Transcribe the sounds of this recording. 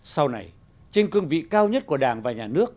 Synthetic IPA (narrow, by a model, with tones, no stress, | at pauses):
sa˧wna˨˩j | t͡ɕï˧ŋ̟kwi˧ənvḭ˧˨kaː˧wɲə˦˥t̚ku˧˩ə˩ɗaː˧˩ŋvaː˨˩ɲaː˨˩nɨ˦˥ək̚